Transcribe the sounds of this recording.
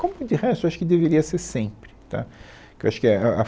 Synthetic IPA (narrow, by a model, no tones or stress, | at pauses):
kõmʊd̪ɪhɛst̪oewaʃʊ̥kɪd̪eveɾiɐseɾsẽpɾɪt̪a̰ | kewaʃʊ̥kɪɛɛɐ